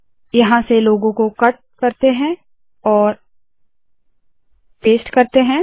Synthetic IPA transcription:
jɐɦãseloːɡõkokɐʈ̚kɐɾt̪eɦɛ̃ | ɔːɾ | peːsʈkɐɾt̪eɦɛ̃ː

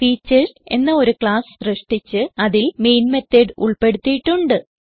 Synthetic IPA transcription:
fiːt͡ɕːɐse̞nːɐo̞ɾukɭaːsreʂʈit͡ɕːɨɐðilme̞jnmet̪ːeɖuɭpe̞ɽut̪ːijiʈːuɳɖɨ

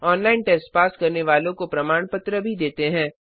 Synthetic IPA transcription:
ɔːnlaːɪnʈeːsʈpaːskɐɾneʋaːlõkopɾɐmaːɳ̃pɐt̪ɾəbʱid̪eːt̪eɦɛ̃ː

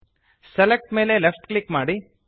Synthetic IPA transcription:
selek̚ʈme̞ːlelepʰʈklikmaːɽi

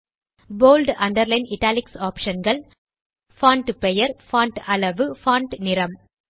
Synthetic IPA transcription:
boːlɖɐɳɖɐɾlɐɪnɪʈːaːlɪksaːpʂɐnɡɐɭ | faːɳʈpɛjɐɾfaːɳʈɐɭɐʋɯfaːɳʈnɪɾɐm

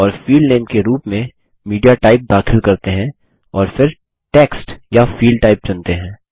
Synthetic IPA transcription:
ɔːɾfiːlɖneːmkeɾuːpmẽ | miːɖijaʈaːɪp̚d̪aːxʰɪlkɐɾt̪eɦɛ̃ | ɔːɾfɪɾ | ʈeːksʈjafiːlɖ̚ʈaːɪp̚d͡ʒɐ̃nt̪eɦɛ̃ː

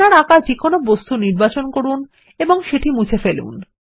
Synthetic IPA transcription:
aɾakad͡ʑikonobost̪uniɾbat͡ɕonkoɾun | eboŋʃeʈimut͡ɕʰefelṵn

